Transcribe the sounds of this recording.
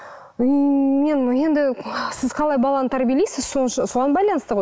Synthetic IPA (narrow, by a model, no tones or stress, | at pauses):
me̞nje̞nd̪ɪsɪz̥qʰɑlˠɑjbɑlˠɑnət̪ʰæɾbʲielejsɪz̥sonʃsoʁɑnbɑjlˠɑnəst̪əʁoj